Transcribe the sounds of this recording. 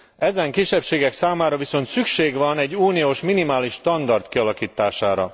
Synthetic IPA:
ɛzɛŋkiʃɛpʃeːɡɛksaːmaːɾɒviso̞nt̪sykʃeːɡʋɒnɛɟːuːnioːʃminimaːliʃt̪ɒnd̪ɒrt̪kiɒlɒkiːt̪ːaːʃaːɾɒ̰

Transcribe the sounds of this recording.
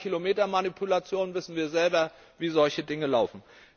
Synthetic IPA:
kʰilomeːtɐmanipʰulat͡sjoːnvɪsn̩viːɐzɛlbɐ | viːzɔlçədɪŋəlaʊfn̩

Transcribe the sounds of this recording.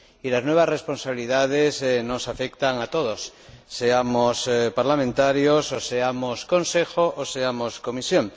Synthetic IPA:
ilaznwe̞β̞azre̞spo̞nsaβiliðað̞ezno̞safekt̪aŋat̪o̞ð̞osːeamospaɾlamẽnt̪aɾjososeamosko̞nsexoʔoseamo̞sko̞misjoŋ

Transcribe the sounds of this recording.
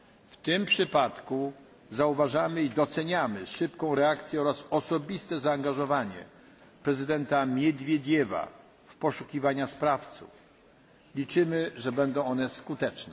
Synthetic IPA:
ft̪ɪmpʂɘpat̪ku | zauvaʐamɘid̪ɔt̪sɛɲamɘʂɘpkɔ̃w̃ɾɛakt̪sʲjɛɔɾasɔsɔbʲist̪ɛzaːŋɡaʐɔvaɲɛ̰ | pɾɛzɘd̪ɛnt̪amʲjɛd̪vʲjed̪ʲjɛva̰ | fpɔʂukʲivaɲaspɾaft̪sṵf | lʲit͡ʂɘmɘʐɛbɛnd̪ɔ̃w̃ɔnɛskut̪ɛt͡ʂnɛ

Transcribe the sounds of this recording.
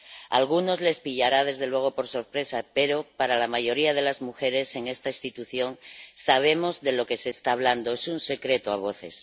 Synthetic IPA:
a̰lɣ̞uno̞zle̞spiʎaɾað̞e̞zðe̞lwe̞ɣ̞o̞po̞ɾso̞ɾpɾe̞sapeɾo̞paɾalamaʝo̞ɾiað̞e̞lazmuxe̞ɾe̞se̞ŋe̞st̪aist̪it̪uθjo̞ŋsaβ̞e̞mo̞zðe̞lo̞ke̞se̞ːst̪aːβland̪oesunse̞kɾet̪oaβ̞o̞θe̞̰s

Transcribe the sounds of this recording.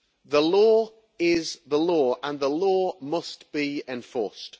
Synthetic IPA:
ðəlɔː | ɪzðəlɔːə̃nðəlɔːmʌstb̥iɛ̃ɱfɔˑst

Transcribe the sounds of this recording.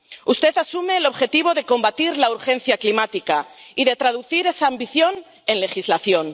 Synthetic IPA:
ust̪e̞t̪asume̞ːlo̞βxe̞t̪iβ̞o̞ðe̞ko̞mbat̪iɾlauɾxẽ̞n̟θjaklimat̪ikaiðe̞t̪ɾað̞uθiɾe̞saːmbiθjo̞n | e̞nle̞xizlaθjo̞n

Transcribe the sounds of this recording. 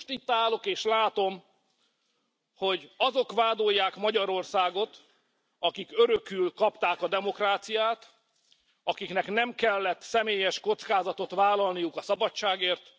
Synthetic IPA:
ʃt̪it̪ːaːlo̞keːʃlaːt̪o̞m | ho̞ɟɒzo̞kʋaːd̪o̞jːaːkmɒɟɒɾo̞rsaːɡo̞t̪ | ɒkikøɾøkylkɒpt̪aːkɒd̪ɛmo̞kraːt̪sijaːt̪ | ɒkiknɛknɛmkɛlːɛt̪sɛmeːjɛʃko̞t̪skaːzɒt̪o̞t̪vaːlːɒlnijukɒsɒbɒt͡ʃːaːɡeːrt̪

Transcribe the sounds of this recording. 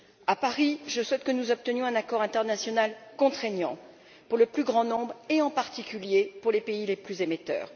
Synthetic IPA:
apaʁiʒəswɛt̪kənuzɔp̚t̪ənjɔ̃ɛ̃nakɔʁɛ̃t̪ɛʁnasjɔnalkɔ̃t̪χeɲjɑ̃ | puʁləplyɡʁɑ̃nɔ̃bʁeɑ̃paʁt̪ikʲyljepuʁlepeileplyzemet̪œ̰ːʁ

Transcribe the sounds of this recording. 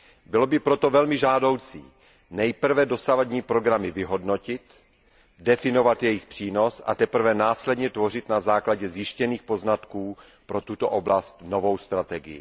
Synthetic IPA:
bɪlobɪpɾo̞t̪ovɛlmɪʒaːdo̞wt͡sḭː | nɛjpr̩vɛdo̞savadɲiːpɾo̞ɡɾamɪvɪɦo̞dnocɪt̪ | dɛfɪno̞vat̪jɛjɪxpr̝̥iːno̞sa̰t̪ɛpr̩vɛnaːslɛdɲɛt̪vo̞rɪt̪nazaːklaɟɛzjɪʃcɛniːxpo̞znat̪kuː | pɾo̞t̪ut̪oʔoblast̪novo̞wst̪ɾat̪ɛɡɪ̰jɪ̰

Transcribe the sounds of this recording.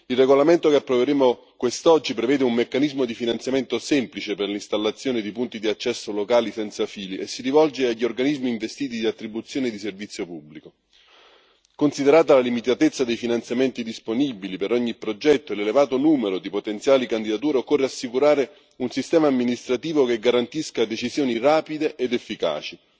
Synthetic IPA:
ilreɡolament̪okeapːɾoveɾeːmo | kwest̪ɔd͡ʒːipɾevɛːd̪eumːekːanizmod̪ifinant̪sjament̪osɛmplit͡ʃeperlist̪alːat̪sjoːned̪ipunt̪id̪iat͡ʃːɛsːolokaːlisɛnt̪safiːliesːiɾivɔld͡ʒeaʎːiorɡanizmiːɱvest̪iːt̪̬id̪iat̪ːɾibut̪sːjoːned̪iservit̪sːjopubːliko | konsid̪eɾaːt̪alalimit̪at̪et̪sːad̪ejfinant̪sjament̪id̪isponibilipeɾɔɲːipɾod͡ʒɛt̪ːoelelevaːt̪onuːmeɾod̪ipot̪ent̪sjaːlikand̪id̪at̪̬uːɾeokːorːeasːikuɾaːɾe | unsist̪ɛːmaːmːinist̪ɾat̪iːvokeɡːaɾant̪iskad̪et͡ʃizjoːniraːpid̪eʔed̪efːika̰ːt͡ʃi

